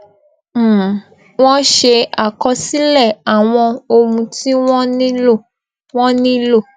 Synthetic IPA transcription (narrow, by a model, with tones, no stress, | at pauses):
w̃ɔ̃˦ʃe˧a˨kɔ˧si˦lɛ˦˨a˨w̃ɔ̃˧o˧mũ˧ti˦wɔ̃˦nĩ˦o˦˨ | w̃ɔ̃˦nĩ˦lo˦˨